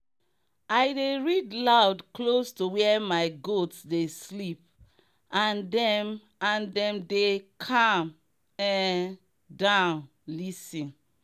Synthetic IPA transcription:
aɪdeɹidlaʊdklostowɛɛmaɪɡotsdeslip̚ | ãndɛm | ãndɛ̃mdekʰãm | ɛ̃ | dãʊ̃n | lisĩn

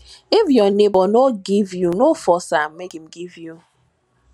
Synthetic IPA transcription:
ɪfjɔnebɔnoɡivjunofɔsam̩mekim̩ɡivju

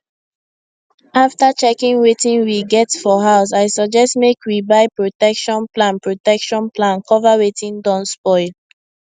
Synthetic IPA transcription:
aftət͡ʃɛkĩŋwetĩŋwiɡɛtfɔɦaʊs̬aɪsɔd͡ʒɛstmekwibaɪpɹotɛkʃɔ̃nplãnpɹotɛkʃɔ̃nplãnkʰɔvawetʰĩŋdɔ̃nspɔɪl

